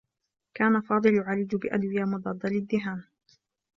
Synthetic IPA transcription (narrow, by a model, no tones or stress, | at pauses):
kaːnafɑːd̪ˤɨlʕaliːd͡ʒʊbɪʔa̰d̪wɪjaːmʊd̪ˤɑd̪ːɑlɪd̪ːɪɦaːm